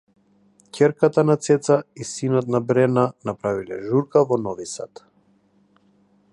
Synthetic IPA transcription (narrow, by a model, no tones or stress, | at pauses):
cʲʰɛɾkat̪anat̪sɛt̪saisinɔt̪nabɾɛnanapɾavilɛ̰ʒuɾkavɔnɔvisa̰t̪